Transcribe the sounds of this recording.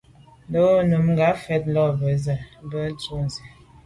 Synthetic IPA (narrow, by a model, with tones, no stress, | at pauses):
do˦nə˨mŋɡa˨˦fɛ˦t̚lɔ˦bə˨˦zə˨˦bə˦n˦tu˦n˨zi˨